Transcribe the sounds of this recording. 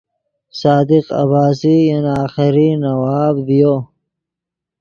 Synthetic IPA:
saːd̪iqa̰βaːsijɐnaːxɪɾinɐwaːbdijo

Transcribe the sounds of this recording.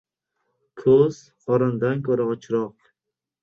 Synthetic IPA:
kʰɵz̥ | χɒɾɪnd̪ankʰɵɾaɒt͡ʃʰɾɒq

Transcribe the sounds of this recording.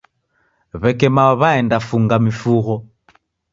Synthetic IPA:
βɛkɛmaβaɛndafuŋɡamifuɣɔ

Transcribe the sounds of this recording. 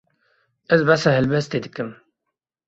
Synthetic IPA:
əzbasaɦɛlbɛst̪eːd̪ɨkɨm

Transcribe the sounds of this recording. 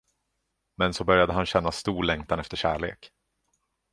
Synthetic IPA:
mɛnsɔbœɾjad̪əɦanɕɛn̪ːast̪uːɭɛŋkt̪ʰanɛft̪əʂæːɭḛːk

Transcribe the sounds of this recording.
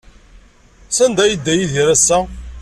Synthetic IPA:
sænd̪æjid̪ːæjiðiɾæsːæ

